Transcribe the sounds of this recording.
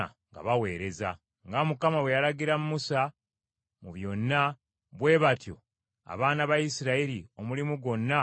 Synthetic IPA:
a̰ŋɡa̰βawe̞ːɾe̞za | ŋɡamukamaβwe̞jalaɡiɾamumusa | muβjo̞nːa | βwe̞ːβatjo̞̰ | a̰βaːnaβajisiɾaiɾio̞mulimuɡo̞nːa

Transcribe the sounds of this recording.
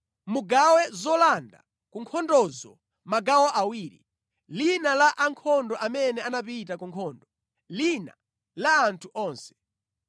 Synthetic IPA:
muɡawɛzɔlanda | kuŋkʰɔndɔzɔ | maɡawɔʔawiːɾḭ | linalaʔaŋkʰɔndɔʔamɛnɛanapitakuŋkʰɔːndɔ | lina̰ | laːntʰuʔɔːnsɛ̥

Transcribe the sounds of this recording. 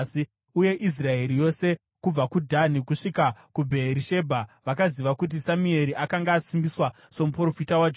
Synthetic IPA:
si | uje̞ʔis̬rae̞ɾijo̞se̞ | kub͡vakudʱanikuʂikakubʱeɾiʃe̞bʱaʋakaziʋakut̬isamue̞ɾiʔakaŋɡaːsimbiswa | so̞mupro̞fitawad͡ʒ

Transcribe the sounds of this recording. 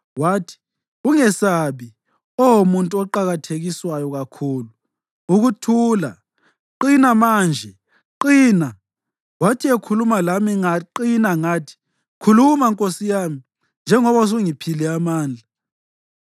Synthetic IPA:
watʰi̥ | uŋɛsaβi | ɔwomuntʼuɔǃaɣatʰeɣiswajɔɣakʰuːlu | uɣutʰuːla | ǃinamaːnd͡ʒʱɛ | ǃiːna | watʰiekʰulumalamiaǃinaŋaːtʰi̥ | kʰulumaŋkʼosijami | nd͡ʒʱɛŋɔβas̬uŋipʰilɛamaːnd͡ɮʱa

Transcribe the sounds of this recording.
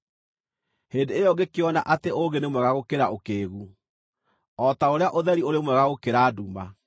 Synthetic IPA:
heːndeejɔŋɡekeɔna̰ʔateʔoɡenemwɛɣaɣokeɾaokeːɣu | ɔtaoɾeaʔoðɛɾioɾemwɛɣaɣokeɾaːduma

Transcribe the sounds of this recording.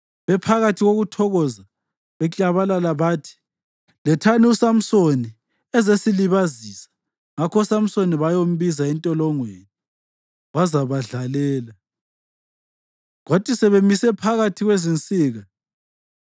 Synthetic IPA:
βɛpʰaɣatʰiɣoɣutʰɔɣɔza | βɛt͡ɬʼaβalalaβaːtʰi̥ | lɛtʰaniusam̩soni | ɛzesiliβazisḁ | ŋakʰɔsam̩soniβajom̩βizaɛntʼɔlɔŋweni | wazaβaɮalɛːla | ɣatʼisɛβemisɛpʰaɣatʰiɣwezint͡sʼiːɣa

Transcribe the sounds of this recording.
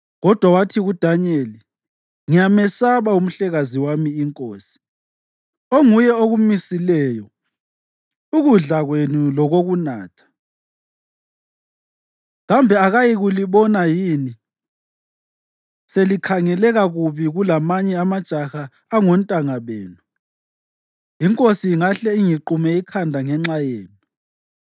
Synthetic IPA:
ɣɔd̥ʱwawatʰiɣud̥ʱaɲeːli | ŋijamɛsaβaum̩ɬɛɣaziwamiːŋkʼoːsi̥ | oŋujɛoɣumisilɛːjɔ | uɣuɮaɣwenulɔɣoɣuna̰ːtʰḁ | ɣambʱɛaɣajiɣuliβɔnajiːni | selikʰaŋɛlɛɣaɣuβiɣulamaɲɛamad̥ʒ̥ʱʼaxaː | ŋɔntʼaŋaβeːnu | jiŋkʼosiːŋaɬɛiŋiǃumɛikʰandʱaŋɛŋ͡ǁajeːnu

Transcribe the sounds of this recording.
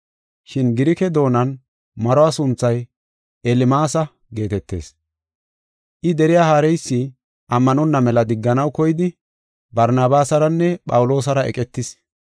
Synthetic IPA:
ʃɪnɡɪɾɪkɛd̪o̞ːnɐn | mɐɾɔaːsʊnt͡sːɐj | ʔɛlɪmaːsɐ | ɡe̞ːt̪ɛt̪ːe̞̰ːs | ʔɪd̪ɛɾɪjaːhaːɾɛjsːɪ | ʔɐmːɐnɔnːɐmɛlɐd̪ɪɡːɐnɐwkɔjɪd̪ɪ | bɐɾnaːbaːsɐɾɐnːɛpʼɐwʊlo̞ːs̬ɐɾɐɛ̰kʼɛt̪ːɪs

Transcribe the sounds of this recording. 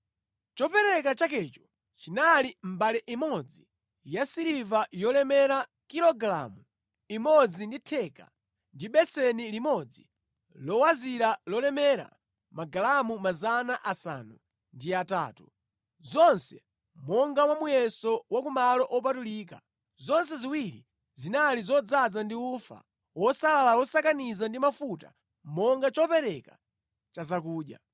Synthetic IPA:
t͡ʃɔpɛɾɛk̬at͡ʃak̬ɛt͡ʃɔ̥ | t͡ʃinalim̩balɛʔimɔd͡zi | jasiɾivajɔlɛmɛɾa | kilɔɡɾa̰mu | imɔd͡zinditʰɛka̰ | ndiɓɛsɛnilimɔd͡zi | lɔwaziɾalɔlɛmɛɾa̰ | maɡalamumazanaʔasa̰nu | ndiata̰ːtu | zɔnsɛ̰ | mɔŋɡamwamujɛsɔwakumalɔʔɔp̬atuliːk̬a | zɔns̬ɛziwiɾḭ | zinalizɔd͡zad͡zandiufa̰ | wɔsalalaɔsakanizandimafuta̰ | mɔŋɡat͡ʃɔpɛɾɛka | t͡ʃazakuːɗja̰

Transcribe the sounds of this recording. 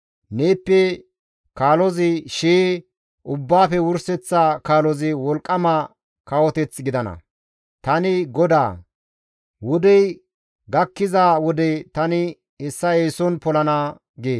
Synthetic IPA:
ne̞ːpːɛ | kaːlɔzɪʃeː | ʔʊbːaːfɛwʊɾsɛt͡sːakaːlɔzɪwɔlkʼːɐmɐ | kɐwɔt̪ɛt͡sɡɪd̪ɐnɐ̰ | t̪ɐnɪɡɔd̪a̰ː | wʊd̪ɛj | ɡɐkːɪzaːwɔd̪ɛt̪ɐnɪ | hɛsːɐeːsɔnpɔlɐna | ɡeː

